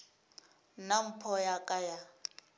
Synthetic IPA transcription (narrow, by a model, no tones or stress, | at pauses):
nam̩pʰɔjakʼaja